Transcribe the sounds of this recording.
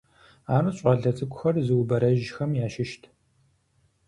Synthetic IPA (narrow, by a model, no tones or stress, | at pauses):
aːrɨɕʷʼɐɮɐt͡sʼɨkʷʼʊxɐrzɨwbɐɾɐʒxɐmjaːʃɪʃtʰ